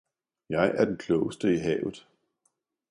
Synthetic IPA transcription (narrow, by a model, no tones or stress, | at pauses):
jɑ̈ɪʔæɐd̥enkʰlɔʊəsd̥əiɦɛ̰ːʊð̩ˠ